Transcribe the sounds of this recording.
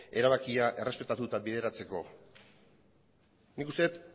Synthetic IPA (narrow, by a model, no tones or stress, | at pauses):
e̞ɾaβakiaʔe̞re̞spe̞t̪at̪ut̪abiðe̞ɾat͡se̞ko̞̰ | nikust̪e̞t̪